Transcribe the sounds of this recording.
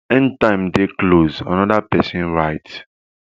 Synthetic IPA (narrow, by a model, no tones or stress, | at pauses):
ɛ̃ntãɪ̃mdeklozã̰nɔdapɛsĩnɹaɪt